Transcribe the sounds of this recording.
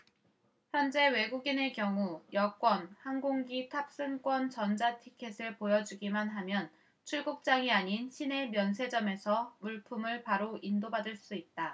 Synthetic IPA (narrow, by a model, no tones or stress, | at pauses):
çjʌnd͡ʑe̞we̞ɡuɡinekjʌŋujʌk͈wʌnhanɡoŋɡitʰap̚s͈ɯnk͈wʌnt͡ɕʌnd͡ʑatʰikʰe̞sʰɯɭpojʌd͡ʑuɡimanɦamjʌn | t͡ɕʰuɭɡuk̚t͡ɕ͈aŋiaɲinɕʰine̞mjʌnsʰe̞d͡ʑʌme̞sʰʌmuɭpʰumɯɭpaɾoindobadɯɭs͈uit̚t͈a